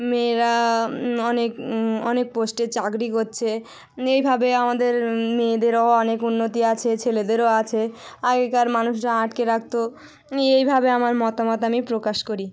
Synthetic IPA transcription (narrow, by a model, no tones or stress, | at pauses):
meɾa | ɔnekɔnek̚posʈet͡ɕakɾikoɾːɕʰe | ejbʱabeamad̪eɾmed̪eɾoɔnekunːot̪iat͡ɕʰet͡ɕʰeled̪eɾoat͡ɕʰeaɡekaɾmanuʃɾaaʈkeɾak̚t̪o | ejbʱabeamaɾmɔt̪amot̪amipɾokaʃkoɾi